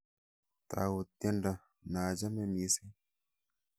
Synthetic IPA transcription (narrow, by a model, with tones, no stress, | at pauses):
t̪a̰˨wu˨t̪e˦nda˨ | naː˨d͡ʒa˦me˦mi˨si˦